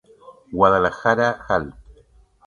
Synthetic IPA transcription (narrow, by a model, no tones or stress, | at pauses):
walalaxaɾaxalt